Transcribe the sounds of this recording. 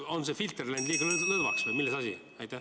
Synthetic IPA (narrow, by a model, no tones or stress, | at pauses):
o̞nsefilt̪erlænʲd̪liːɡɑllɤðvɑ̰ksvɤjmilːesɑsʲi | ɑjt̪ːˑæ